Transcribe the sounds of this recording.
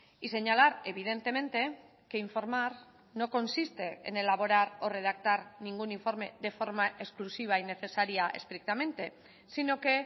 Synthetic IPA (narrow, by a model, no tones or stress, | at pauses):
ise̞ɲalaɾe̞β̞ið̞e̞nt̪e̞mẽ̞nt̪e̞ | ke̞iɱfo̞ɾmaɾ | no̞ko̞nsist̪e̞ḛnelaβo̞ɾaɾo̞re̞ð̞akt̪aɾniŋɡuniɱfo̞ɾme̞ðe̞fo̞ɾmaʔe̞ksklusiβ̞aine̞θe̞saɾiaʔe̞̰st̪ɾik̚t̪amẽ̞nt̪e̞ | sino̞ke̞